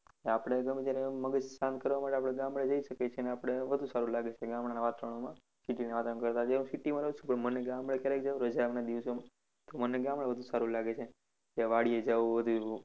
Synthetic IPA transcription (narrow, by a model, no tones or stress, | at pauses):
eapɽ̃eɡəmed͡ʒjaɾeməɡəd͡ʒsãnd̪̚kəɾʋamaʈeapɽ̃eɡãmɭed͡ʒəiʃəket͡ʃʰeneapɽ̃eʋəd̪ʱusaɾũlaɡet͡ʃʰeɡãmɽanaʋat̪ɾəɽ̃omã | siʈineʋat̪ə̃ɳ̃kəɾt̪aɦeɾũsiʈimãɾəɦt͡ʃũpəɳmənːeɡamɭekjaɾekd͡ʒaũɾəd͡ʒamnad̪iʋsomã | t̪omənːeɡãmɭeʋəd̪ʱusaɾũlaɡet͡ʃʰe | k̪jaʋaɽied͡ʒaʋũʋəd̪ʱu